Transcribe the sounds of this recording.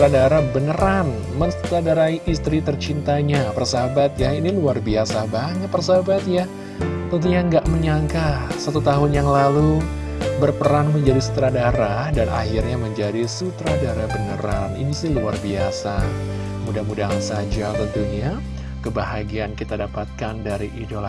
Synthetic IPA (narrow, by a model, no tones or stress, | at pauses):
t̪ɾadaɾabənəɾan | mənsu̥t̪ɾadaɾaiʔist̪ɾit̪ərt͡ʃint̪aɲapərsaɦabat̪jainiluarbiasabaɲət̪̚pərsaabat̪̚ja | pənt̪iɲaŋɡaʔməɲaŋkasat̪ut̪aɦʊnjaŋlalu | bərpəɾanməɲd͡ʒadisu̥t̪ɾadaɾahdanʔa̰hirɲaməɲd͡ʒadisut̪ɾadaɾahbənəɾanḭnisɪhluarbiasa | mudahmudansad͡ʒabənt̪uɲa | kəbahaɡiankit̪adapat̪̚kandaɾiʔidola